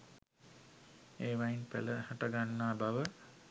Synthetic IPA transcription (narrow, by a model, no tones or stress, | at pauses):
eːʋainpæ̰ləhaʈəɡanːaːbaʋə